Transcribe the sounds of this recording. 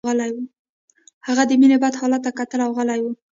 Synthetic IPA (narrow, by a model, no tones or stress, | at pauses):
ɣəlajwu | haɣad̪əminebad̪hɑlat̪ːakat̪əlawɣəlajwu